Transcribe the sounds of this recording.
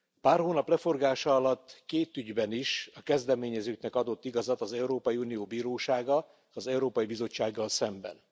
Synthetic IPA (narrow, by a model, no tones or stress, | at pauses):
paːrhoːnɒplɛfo̞rɡaːʃɒɒlɒt̪ːkeːt̪yɟbɛniʃɒkɛzd̪ɛmeːɲɛzøːknɛkɒd̪o̞t̪ːiɡɒzɒt̪ɒzɛuɾoːpɒjiuːnijoːbiːɾoːʃaːɡɒ | ɒzɛuɾoːpɒjibizo̞t͡ʃːaːɡːɒlsɛmbɛ̰n